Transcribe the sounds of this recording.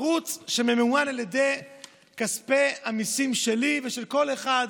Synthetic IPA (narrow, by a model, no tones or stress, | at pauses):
ʁut͡sʃememeuanaljed̪e̞j | kaspehamisimʃeliveʃelko̞leχad̪